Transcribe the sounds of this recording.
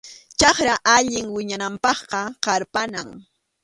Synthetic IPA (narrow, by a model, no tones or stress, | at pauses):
t͡ʃɑχɾaʔaʎɪŋwɪɲanampɑχqɑqɑɾpanaŋ